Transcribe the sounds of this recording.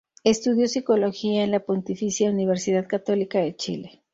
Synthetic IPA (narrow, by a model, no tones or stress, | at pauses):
est̪uðjo̞siko̞lo̞xiaenlapo̞nt̪ifisjauniβ̞e̞ɾsiðaðkat̪o̞likaðe̞t͡ʃḭle̞